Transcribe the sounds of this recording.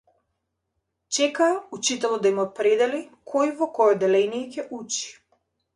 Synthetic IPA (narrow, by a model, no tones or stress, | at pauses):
t͡ʃɛkaːut͡ʃit̪ɛlˠɔd̪aimɔt̪̚pɾɛd̪ɛlikʰɔjvɔkɔjɔd̪ɛlɛnijɛcɛʔut͡ʃi̥